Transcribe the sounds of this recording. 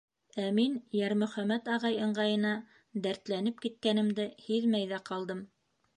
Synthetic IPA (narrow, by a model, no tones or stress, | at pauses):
æminjæɾmɵ̆χæmæt̪ɑʁɑjɤ̆ɴɢɑjɤ̆nɑ | d̪æɾt̪lænɘp̚kit̪̚kænɘ̆md̪ɘhiðmæjðæqʰɑlˠd̪ɤm